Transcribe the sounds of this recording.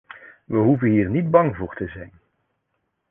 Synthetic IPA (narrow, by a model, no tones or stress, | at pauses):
ʋəɦuvənɦiːrnid̚bɑŋvʊːɹtəzɛjn